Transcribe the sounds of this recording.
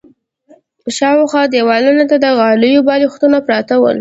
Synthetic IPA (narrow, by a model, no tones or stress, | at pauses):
ʃɑwxwɑd̪ewɑlunat̪ad̪əɣɑlujobɑlixt̪unapɾɑt̪awə̰l